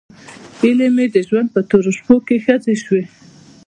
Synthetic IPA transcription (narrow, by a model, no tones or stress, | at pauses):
ilemed̪əʒwand̪̚pət̪oɾoʃpokexət͡seʃwe